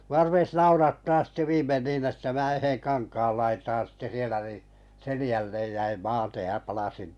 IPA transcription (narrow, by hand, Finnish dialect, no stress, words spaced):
muɑ rupes nɑurɑtːɑː sĭtːe ʋiːmːen niːn etːæ mæː yheŋ kɑnkɑːl lɑitɑːn̞ sĭtːe sielæ ni selĭjælːej jæim mɑːtej jɑ pɑlɑsin